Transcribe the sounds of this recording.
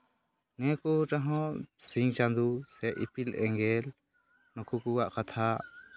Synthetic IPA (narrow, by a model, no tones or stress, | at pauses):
nɛkuʈaɦɔ̃siŋt͡ʃand̪usɛʔḭpilɛŋɡɛl | nɔkukuwaʔkat̪ʰaʔ